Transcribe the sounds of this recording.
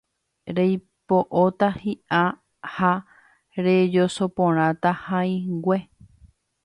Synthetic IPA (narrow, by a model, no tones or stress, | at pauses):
ɾej | poʔot̪ahiʔa | ha | ɾed͡ʒo̞so̞põɾ̃ãt̪ahãĩŋɡwʷe̞